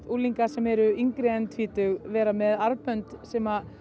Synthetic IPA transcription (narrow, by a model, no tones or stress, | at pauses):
t̪uːliŋkasɛmɛɾʏiŋkɾɛnt̪ʰviːt̪ʏɣvɛːɾamɛðaɾpœnt̪sɛːma